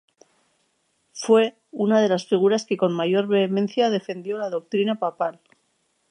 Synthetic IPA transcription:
fwe̞ | unaðe̞lasfiɣ̞uɾaske̞ko̞nmaʝo̞ɾβeːmẽ̞n̟θjað̞e̞fe̞nd̪jo̞laðo̞k̚t̪ɾinapapal

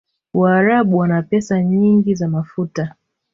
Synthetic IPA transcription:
waːɾaɓuwanapɛsaɲiŋɡizamafuta

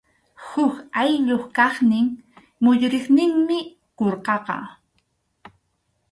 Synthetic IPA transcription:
hʊkajʎoχkɑχnɪŋ | mʊʎɾeχnɪŋmɪ | koɾqɑqɑ̰

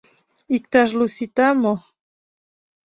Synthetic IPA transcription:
ik̚t̪aʒlusit̪amo

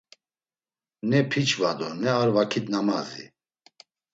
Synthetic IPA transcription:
nɛpʰit͡ʃʰʼvad̪ɔnɛaɾvakʰit̪nama̰zḭ

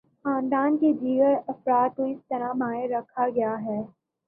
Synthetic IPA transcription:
xãːnd̪aːnked͡ʒiːɡəɾɐfɾaːt̪̚koɪst̪ɐɾabʱãːeɾɐkʰaɡɐjaɦɛː

